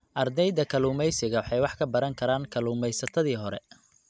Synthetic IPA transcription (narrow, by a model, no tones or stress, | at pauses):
ʔɐrd̪ɛjd̪ɐkʰɐluːmɛjsɪɣɐwħɑjwɑħkʰɐbɐɾɐŋkʰɐɾaːŋkʰɐluːmɛjsɐt̪ʰɐðiːɦɔɾɛ̰